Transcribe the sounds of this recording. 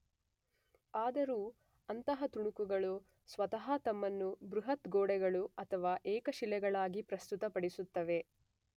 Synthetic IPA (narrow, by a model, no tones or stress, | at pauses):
aːd̪ɐɾuː | ɐnt̪ɐɦɐt̪uɳukuɡɐɭu | sʋɐt̪ɐɦɐt̪ɐmːɐnːubɾuɦɐt̪ɡoːɽɛɡɐɭuɐt̪ʰɐʋaːʔɛːkɐʃilɛɡɐɭaːɡipɾɐst̪ut̪ɐpɐɽisut̪ːɐʋe̞